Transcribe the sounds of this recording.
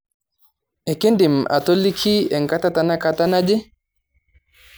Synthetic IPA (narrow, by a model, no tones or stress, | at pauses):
ɛkendima̰tolːikʰiɛŋkatatanakatanad͡ʒɛ